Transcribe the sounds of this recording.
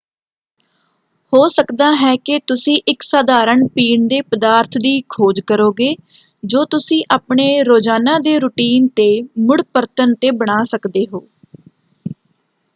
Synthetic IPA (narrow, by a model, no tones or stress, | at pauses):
hoːsəkd̪aːɦɛːkɪt̪ʊsĩːʔɪksaːd̪aːɾəɳpiːɳd̪eːpəd̪aːɾt̪ʰd̪iːkʰoːd͡ʒkəɾoːɡeː | d͡ʒoːt̪ʊsĩːʔaːpɳeːɾoːd͡ʒaːnãːd̪eːɾʊʈiːnt̪eːmʊɽpəɾt̪ənt̪eːbəɽ̃aːsəkd̪eːɦoː